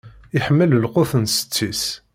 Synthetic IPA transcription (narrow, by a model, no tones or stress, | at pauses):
ɪħəmːəllqʊθənsə̥t͡sːis